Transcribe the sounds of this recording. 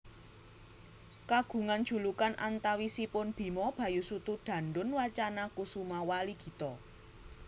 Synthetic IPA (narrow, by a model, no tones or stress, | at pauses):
kaɡ̥ṳŋand̥ʒ̥ṳlukanʔant̪awisipʊnb̥i̤mɔb̥ä̤jusut̪uɖ̥ä̤nɖʊnwat͡ʃanakusumawaliɡ̥i̤t̪ɔ